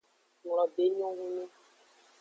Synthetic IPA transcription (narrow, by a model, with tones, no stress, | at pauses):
ŋ˨lɔ˨be˨˦ɲɔ̃˦wũ˦nũ˦